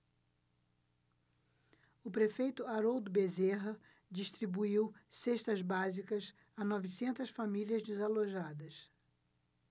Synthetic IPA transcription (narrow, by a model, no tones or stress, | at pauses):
ʊpɾefejt̪ʊaɾowd̪ʊbezeɦɐ | d͡ʒiʃt̪ɾibuiwseʃt̪ɐzbazikɐs | anɔvisẽnt̪ɐsfamiliɐzd͡ʒɪzaloʒad̪ɐs